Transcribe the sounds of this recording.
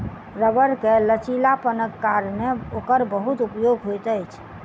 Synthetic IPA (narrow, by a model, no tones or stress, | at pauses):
ɾəbəɾkelət͡ʃilapənəkːaɾneokəɾbəɦut̪upjoɡɦojt̪əjt͡ʃʰ